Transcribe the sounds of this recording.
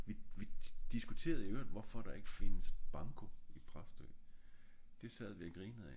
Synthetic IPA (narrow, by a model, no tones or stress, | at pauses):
ʋiʋid̥isɡ̥ut͡sʰe̝̰ːɐðˠiøɐd̥ʋɒfɒ̽ɾ̥ɑ̈e̝ɡ̥əfe̝nəsb̥ɑ̈ŋkʰoipʰʁɑsd̥ø̰ | d̥e̝sɛð̞̰ˠʋiæɡ̥ʁiːnəð̩ˠæ